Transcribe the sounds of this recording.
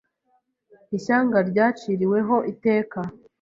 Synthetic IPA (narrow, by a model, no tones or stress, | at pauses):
iʃaːŋɡaɾɟaːt͡ʃiːɾiwe̞ɦo̞ʔite̞ːka